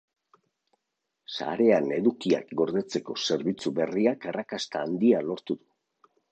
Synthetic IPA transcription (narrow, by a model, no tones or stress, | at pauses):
sa̰ɾe̞ane̞ðukia̰kɡo̞ɾðe̞t͡se̞ko̞se̞ɾβit͡suβe̞riakarakast̪aːnd̪ialo̞ɾt̪uðu